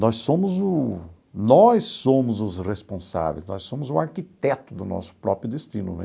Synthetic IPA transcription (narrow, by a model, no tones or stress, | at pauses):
nɔssõmʊzʊ | nɔsːõmʊzʊzʁespõsa̰vḛjznɔsõmʊzʊaɾkit̪ɛt̪ʊd̪ʊnɔ̰sʊ̥pɾɔpɾjʊd̪est̪ĩnʊ̰nɛ̰̃